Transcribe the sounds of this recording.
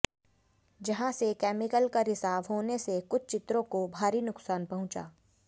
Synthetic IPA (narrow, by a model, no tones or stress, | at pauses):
d͡ʒɐɦãsekɛːmɪkəlkaɾɪsaːʋɦoːnesekʊt͡ʃʰt͡ʃɪt̪ɾõkobʱaːɾinʊksaːnpɐɦʊ̃t͡ʃa̰ː